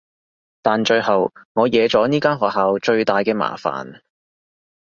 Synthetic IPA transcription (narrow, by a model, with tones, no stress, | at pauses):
t̪aː˨˩nt͡ʃɵ˧ɥhɐ˨wŋɔː˨˧jɛː˨˧t͡sɔː˨˥niː˥kaː˥nɦɔː˨k̚ɦaː˨wt͡ʃɵ˧ɥt̪aː˨jkɛː˧ma̰ː˨˩fa̰ː˨˩n